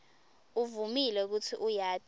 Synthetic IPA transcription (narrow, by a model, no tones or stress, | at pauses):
uvumilɛk̬utʰiʔujaːtʼ